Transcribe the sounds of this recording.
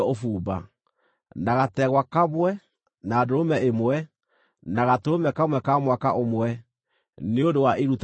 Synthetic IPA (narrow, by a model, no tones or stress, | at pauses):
ofuːba̰ | naɣatɛɣwakaβwɛ | naːdoɾomɛemwɛ | naɣatoɾomɛkamwɛkamwaka̰ʔomwɛ | neondowaʔeɾut